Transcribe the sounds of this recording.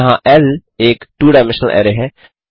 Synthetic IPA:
ɦãʔɛleːkʈuːɖaːɪmɛ̃nʃnəlʔɛ̰ːɾeɦɛː

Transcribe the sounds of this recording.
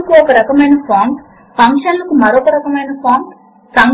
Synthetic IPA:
kuɔkɐɾɐkɐmɐjnɐpʰaːŋʈ | pʰɐŋkʂɐnlɐkumɐɾɔkɐɾɐkɐmɐjnɐpʰaːŋʈ | sɐŋ

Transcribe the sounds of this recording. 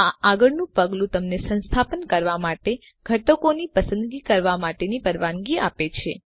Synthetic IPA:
aaɡəɭnũpəɡlũt̪əmnesə̃ñst̪ʰapənkəɾʋamaʈe | ɡ̥ʱət̪əkonipəsə̃nd̪̚ɡikəɾʋamaʈenipəɾʋanɡia̰pet͡ʃʰe

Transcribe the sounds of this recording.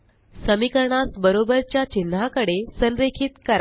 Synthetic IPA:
səmikəɾɳ̃asbəɾobəɾt͡ɕjat͡ɕinːakəɽesənɾekʰiːt̪kəɾa

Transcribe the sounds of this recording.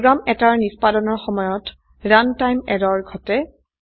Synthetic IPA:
ɡɹamɛtaɹnispadɔnɔɹxɔmɔjɔt | ɹantajmɛdɔɹɡʱɔtɛ

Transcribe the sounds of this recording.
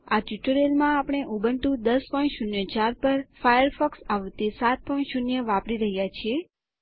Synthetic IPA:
aʈjuʈəɾelmãapəɳ̃eʔubəɳʈũd̪əspɔĩɳʈʃunjət͡ʃaɾpəɾfajəɾfɔksaʋt̪esat̪̚pɔĩnʈʃunjəʋapɽiɾəɦjat͡ʃʰie

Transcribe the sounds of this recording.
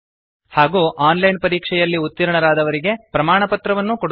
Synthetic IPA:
haːɡuːʔaːnlɐjnpɐɾiːkʂɛjɐlːiut̪ːiɾɐɳɐɾaːd̪ɐʋɐɾiɡe̞pɾɐmaːɳɐpɐt̪ɾɐʋɐnːukoɽ

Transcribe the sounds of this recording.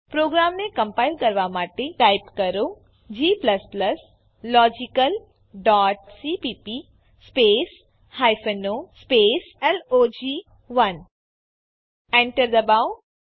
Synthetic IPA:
pɾoːɡɾaːmːẽkɐ̃mpaːɪlkɐɾʋamaːʈekaːjɪpkɐɾo | d͡ʒiːplɐsplɐs | lɔːd͡ʒɪkəl | ɖɔːʈ̚siːpiːpi | speːs | haːjfənospeːs | ɛlod͡ʒiː | ʋɐn | ẽɳʈəɾd̪ɐbaːw

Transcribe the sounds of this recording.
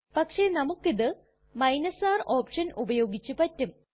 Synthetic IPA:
pɐkʂe̞nɐmukːiðɨ | mɐjnɐsaːro̞ːpʂɐnʔubɐjo̞ːɡit͡ɕːupɐtːum

